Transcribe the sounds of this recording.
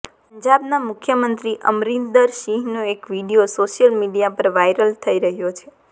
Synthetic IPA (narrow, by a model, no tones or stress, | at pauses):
pəɲd͡ʒabnamʊkʰjəmənt̪ɾiʔə̰mɾind̪əɾʃiɦnoekʋiɖijosoʃjəlmiɖijapəɾʋajɾəlt̪ʰəiɾəɦjot͡ʃʰe